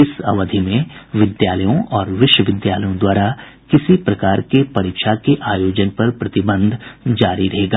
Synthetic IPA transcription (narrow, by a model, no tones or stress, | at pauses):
ɪsɐ̰ʋəd̪ʱimẽʋɪd̪jaːləjõʔɔːɾʋɪʃwəʋɪd̪jaːləjõd̪waːɾa | kɪsipɾɐkaːɾkepɐɾiːkʃakeʔaːjoːd͡ʒənpɐɾpɾɐt̪ɪbə̃nd̪ʱd͡ʒaːɾiɾɐɦeːɡaː